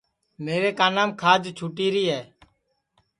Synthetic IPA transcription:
meːɾeːkaːnaːmkʰaːd͡ʒt͡ʃʰuːʈiːɾiːɦɛː

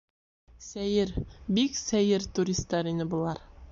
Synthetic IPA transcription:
sæjɘɾbiksæjɘɾt̪uɾʲist̪ːɑɾinɘbulˠɑɾ

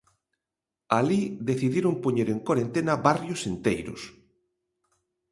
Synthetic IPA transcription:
aliðeθiðjeɾompoɲeɾeŋkwaɾent̪enaβarjosent̪ejɾʊ̰s

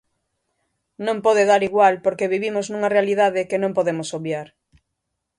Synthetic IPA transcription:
nõmpɔðeðaɾiɣwalpoɾkeβiβimoznũŋɐrealiðaðɪkenõmpoðemosoβjaɾ

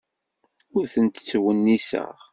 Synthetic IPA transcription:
ʊɾθənt̪ə̥t͡sːwənːisə̰ʁ

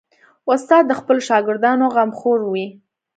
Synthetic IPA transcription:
ʊst̪ɑd̪̚ːəxpəloʃɑɡɪɾd̪ɑnoɣamxoɾwi

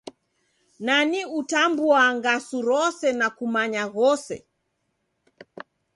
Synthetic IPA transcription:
naniutambuaŋɡasuɾɔsɛnakumaɲaɣɔsɛ̰

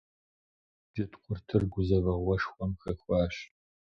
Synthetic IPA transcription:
dɪtʰqʷʊrtʰɨrɡʷʊzɐvɐʁʷɔʂxʷɔmxɐxʷɑːɕ

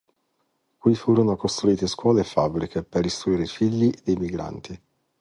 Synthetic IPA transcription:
kwifuːɾonokost̪ɾuiːt̪eskwɔːlefabːɾikʰeperist̪ɾuiːɾeifiʎːid̪ejmiɡɾa̰nt̪ʰi

